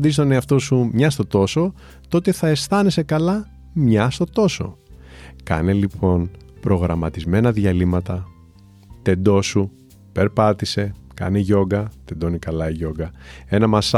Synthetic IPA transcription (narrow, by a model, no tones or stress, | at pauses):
d̪is̬t̪oneɐft̪o̞sumɲɐst̪o̞t̪o̞so̞ | t̪o̞t̪e̞θɐe̞st̪ɐne̞se̞kɐlɐ | mɲɐst̪o̞t̪o̞so̞̰ | kɐ̰ne̞lipʰo̞npɾo̞ɣɾɐmɐt̪izme̞nɐðʝɐlimɐt̪ɐ | t̪e̞d̪o̞su | pe̞ɾpɐt̪ise̞ | kɐ̰neʝo̞ɡɐt̪e̞d̪o̞nikɐlɐiʝo̞ɡɐe̞nɐmɐs